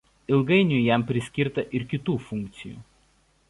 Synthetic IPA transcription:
ɪlˠɡɐɪnʲʊjɛˑmpʲɾʲɪsʲkʲɪɾt̪ɐʔɪɾkʲɪt̪uːfʊŋʲk̚ʲt̪sʲɪjṵː

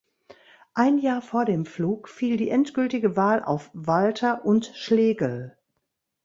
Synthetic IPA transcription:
ʔaɪnjaːɐfoːɐdeːmfluːkfiːldiːʔɛntɡ̥ʏltɪɡəvaːlʔa̰ʊfv̥altʰɐʔʊntʃleːɡəl

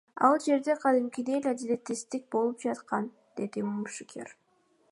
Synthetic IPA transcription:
ɑlˠd͡ʒe̞ɾd̪e̞qʰɑd̪ɪmkʲid̪ejlʲad̪ilʲet̪ːist̪ik̚bo̞lˠup̚d͡ʒɑt̪qɑn | d̪̥e̞d̪imuʃɪkʲʰḛɾ

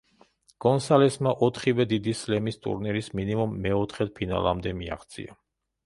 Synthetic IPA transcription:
ɡ̥ɔnsalɛsmaʔɔt̪ʰχivɛd̪id̪islɛmist̪ʼṵɾniɾisminimumːɛɔt̪ʰχɛt̪̚pʰina̰lˠa̰md̪ɛmia̰χt̪sʰʼḭa

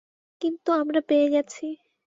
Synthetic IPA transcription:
kint̪uamɾapeeɡɛt͡ɕʰi

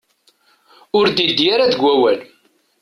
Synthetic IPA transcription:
ʊɾd̪id̪ijaɾaðəɡʷæwæl

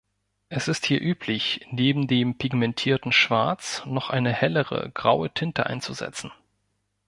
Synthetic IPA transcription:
ʔɛsɪsthiːɐʔyːpʰlɪçneːbm̩deːmpʰɪɡmɛntʰiːɐtn̩ʃv̥aɐt͡snɔχʔa̰ɪnəhɛləʁə̰ɡ̥ʁaʊətʰɪntəʔa̰ɪnt͡suzɛ̰t͡sn̩

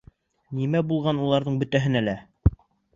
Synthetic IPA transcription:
nimæbulˠʁɑnulˠɑɾðɤɴbɵ̆t̪æɦɘnælæ

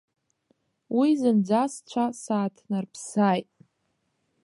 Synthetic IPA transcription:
wizɨnd͡zʷast͡ʃʷʰasaːtʰnɨrpʰsaːjtʼ

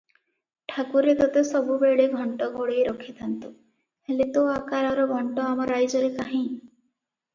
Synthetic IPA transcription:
ʈʰakuɾed̪ɔt̪esɔbubeɽeɡʱɔɳʈɔɡoɽejɾɔkʰit̪ʰant̪u | helet̪oakaɾɔɾɔɡʱɔɳʈɔamɔɾajd͡ʒɔɾekaɦĩ

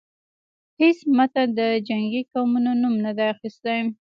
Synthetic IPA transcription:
hesmat̪ad̪əd͡ʒaŋɡikawmunonumnad̪ajaxist̪aj

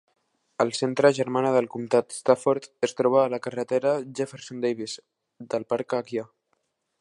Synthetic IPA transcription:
əlˠsent̪ɾəʒəɾmanəðəlkumt̪at̪st̪afoɾt̪əst̪ɾɔβaːləkərət̪eɾəʒefəɾsond̪ejβiz | d̪əlˠpaɾkakja

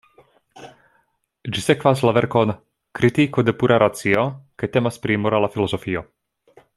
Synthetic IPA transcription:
d͡ʒisɛkvaslavɛɾkɔn | kɾit̪ikɔd̪ɛpuɾaɾʔat͡siɔkɛt̪ɛmaspɾimoɾalafilɔzɔfijo

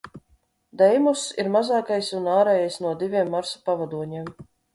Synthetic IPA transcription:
d̪ɛjmusiɾmazaːkajsunaːɾɛjajsnuɔd̪ivʲiɛmːaɾsḁpavad̪uɔɲiɛm

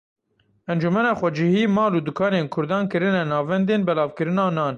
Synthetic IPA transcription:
ʔɛnd͡ʒumɛnɑːxʷɛd͡ʒihiːmɑːluːd̪ukʰɑːneːnkʰʊɾd̪ɑːnkɨɾɨnɛnɑːvɛnd̪eːnbɛlɑːvkɨɾɨnɑːnɑːn

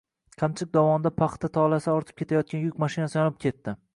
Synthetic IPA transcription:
qʰamt͡ʃʰɪk̚ʲd̪ɒvɒnɪd̪apʰɑχt̪ʰat̪ʰɒlˠasɪɒɾt̪ʰɪ̥p̚kʲʰe̞t̪ʰajɒt̪̚kʲanjʊkʲmaʃɪnasɪjɒnɪp̚kʲʰe̞t̪ʰːɪ

